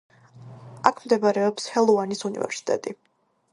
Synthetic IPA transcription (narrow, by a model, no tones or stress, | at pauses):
akʰmd̪ɛbaɾɛɔpshɛlˠɔanisunḭvɛ̰ɾsi̥t̪ʼɛ̰t̪ʼi